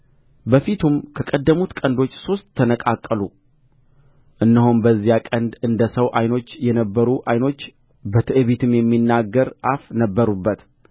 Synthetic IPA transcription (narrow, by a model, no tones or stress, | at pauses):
bəfit̪ʰumkʰəkʼəd̪ːəmut̪kʼənd̪o̞t͡ʃːso̞st̪ːʰənəkʼakʼːəlu | ʔɨnːəhonbəzːijakʼənd̪ɨnd̪əsəwʔajno̞t͡ʃːjɛnəbːəɾuʔajno̞t͡ʃː | bət̪ʰɨʔɨβit̪ʰɨmjɛmːinːaɡəɾʔafnəbːəɾubːət̪